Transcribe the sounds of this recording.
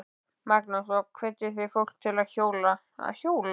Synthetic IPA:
mak̚nasɔkʰvɛt̪ːɪθɪjfowl̥k̚t̪ʰɪlaðçoːwla | a̰çoːwla

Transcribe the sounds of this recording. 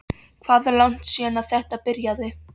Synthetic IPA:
kʰv̥aːðlawn̥t̪siːanaðθɛht̪apɪɾjaðɪ

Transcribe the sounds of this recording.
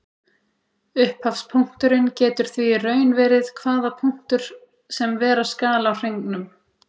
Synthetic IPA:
ʏhphafspʰuŋ̥t̪ʏɾɪncɛːt̪ʏɾ̥θvirœːɥnvɛːɾɪð̥kʰvaːðapʰuŋ̥t̪ʏɾ̥ | sɛmvɛːɾaskaːlaawr̥ejŋknʏm

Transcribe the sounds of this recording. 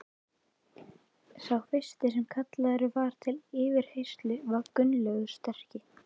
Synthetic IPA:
sawfɪst̪ɪsɛmkʰat̪laðɛɾʏvaɾ̥t̪ʰɪlɪːvɪɾ̥hejst̪lʏvaɾkʏnlœɣðʏ̥st̪ɛr̥cɪ

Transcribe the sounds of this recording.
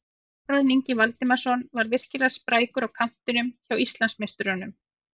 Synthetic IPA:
pɾɔðniɲcɪvalt̪ɪmasɔnvaɾvɪr̥cɪlḁspɾaːjkʏɾawkʰan̥t̪ɪnʏmçawist̪lansmest̪ʏɾanʏm

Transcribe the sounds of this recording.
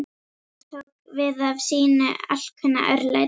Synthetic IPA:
t̪ʰokvɪðavsiːnʏ̰al̥kʰvʏnːa̰ʔœɾla̰

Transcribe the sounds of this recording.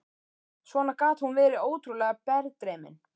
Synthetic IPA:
svɔːnaɾkaːt̪hunvɛːɾɪoːwt̪ɾulɛːɣapɛɾt̪ɾɛːmɪ̰n

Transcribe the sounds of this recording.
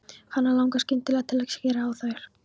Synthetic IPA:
hanːalawŋkascɪnt̪ʰːɪlaðt̪ʰɪlajkscɛːɾaːwθaɾ̥

